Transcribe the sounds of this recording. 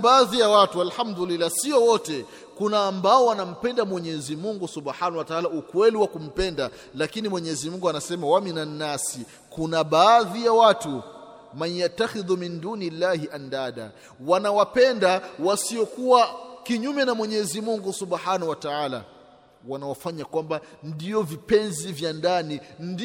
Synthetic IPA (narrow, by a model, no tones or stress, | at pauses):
ɓaːðijawatualħamd̪ulilːasiɔwɔtɛ | kunaːmbaɔwanam̩pɛndamwɛɲɛzimuŋɡusubħanawataaːlaukwɛliwakum̩pɛnda | lakinimwɛɲɛzimuŋɡuanasɛmawaminannːasi | kunaɓaːðijawatu | maɲjat̪ːaxiðuminduːnilːaːhiʔandaːɗa̰ | wanawapɛndawasiɔkuwakiɲumɛnamwɛɲɛzimuŋɡusuɓħanahuwataaːla̰ | wanawafaɲakwambandiɔvipɛnzivjandanind